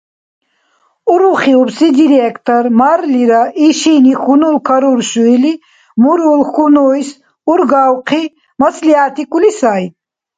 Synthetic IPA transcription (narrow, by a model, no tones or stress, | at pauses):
uɾuχiubsid̪iɾekt̪ɐɾmaɾliɾaʔiʃinixunulkʰɐɾuɾʃuili | muɾulxunoːjs | uɾɡawqʰi | mɐslijaːt̪ikulisaːj